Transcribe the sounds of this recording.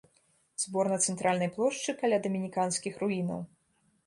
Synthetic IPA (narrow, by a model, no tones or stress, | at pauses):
z̥bɔrnɐt̪sɛnt̪ɾʔalʲnɐjplˠɔʂt͡ʂɨkɐlʲad̪ɐmʲinʲikanskʲixɾuinɐ̰w